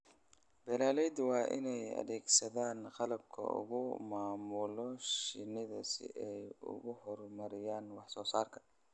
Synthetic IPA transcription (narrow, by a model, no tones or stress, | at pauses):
bɛlaːlɛjd̪wɑːʔɪ̰nɛjɐ̰ðɛːɡsɐðaːnqɑlɐb̚kʰɐ̰ʊ̰ɣʊmaːmʊlɔʃɪnɪðɐsɪ̰ʔɛjʊ̰ɣʊhɔrmɐɾɪjaːnwɑħsɔːsaːrkʰɐ̥